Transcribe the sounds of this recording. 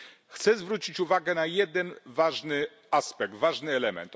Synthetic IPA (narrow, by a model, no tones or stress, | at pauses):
xt̪sɛzvɾut͡ɕit͡ɕuvaɡɛnajɛd̪ɛnvaʐnɘ | aspɛɡ̚t̪vaʐnɘɛlɛmɛ̰nt̪